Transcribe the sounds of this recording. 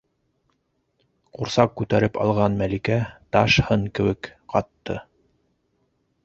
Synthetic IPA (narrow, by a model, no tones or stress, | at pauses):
quɾsɑqːʉt̪æɾɘpɑ̰lˠʁɑnmælikæt̪ɑʃhɤɴkɘ̆wɘkqɑt̪ːɤ̰